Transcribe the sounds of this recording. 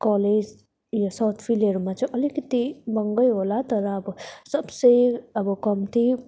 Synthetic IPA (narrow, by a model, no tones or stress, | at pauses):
kɔled͡ʒ | jasawt̪ʰpʰileɾmat͡ʃɔʔʌlikit̪ibʌŋɡʌjɦolat̪ʌɾaːbɔsʌbsejʌbɔkɔmt̪ʰi